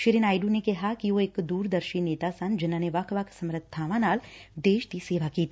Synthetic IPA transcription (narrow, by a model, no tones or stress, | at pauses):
ʃɪɾɪnaːjɖunekɐɦakioeːkd̪uːɾd̪ɐɾʃineːt̪asɐnd͡ʒɪnːaneʋakʰʋaksɐmɾəd̪ʱʰaːʋanaːld̪eːʃt̪iseːʋakiːt̪